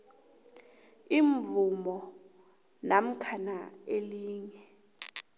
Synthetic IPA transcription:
iɱvumɔ | nam̩kʰanaeliːŋɛ

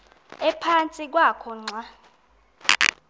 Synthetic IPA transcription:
ɛpʰant͡sʼik̬wakʰɔŋ͡ǀʱwa

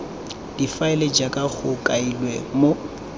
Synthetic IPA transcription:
d̥ifaɪled͡ʒakʼaɣʊkʼailwɛmo

